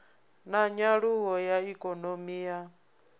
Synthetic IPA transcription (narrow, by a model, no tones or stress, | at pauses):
naɲaɺuɦɔjaikʼɔnomiːja